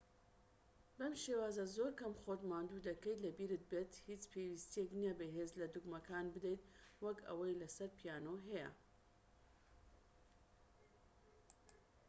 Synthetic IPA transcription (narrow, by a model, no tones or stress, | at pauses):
bɐmʃewaːzɐzoːɾkɐmχot̪maːnd̪ud̪ɐkɐj̪lɐbiːɾɨt̪̚bet̪hit͡ʃpʰewist̪ijeknijɛbeɦeːzlɐd̪uɡmɐkʰaːnbɨd̪ejt̪wɐkɐ̰wɐjlɐsɐɾpʰijaːnoɦɛjɐ̰